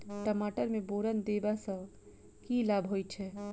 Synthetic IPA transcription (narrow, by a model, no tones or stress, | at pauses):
ʈəmaʈəɾmẽboɾənd̪ebasə̃ | kilabʱɦojt͡ʃʰɛ